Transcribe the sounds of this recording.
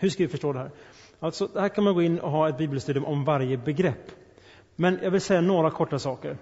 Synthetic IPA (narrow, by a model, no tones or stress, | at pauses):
hɵʂkavɪfœʂʈoːd̪ɛɦæːɾ | alt̪sɔd̪ɛhæːɾkʰanmanɡoːɪnːʔɔ̰ɦɑːɛt̪̚biːbɛlst̪ʉːd̪ɪʊmʔɔmvaɾjəbɛɡɾɛpː | mɛnjʔɑːɡvɪlsɛjːanoːɾakʰɔʈːasɑːkəɾ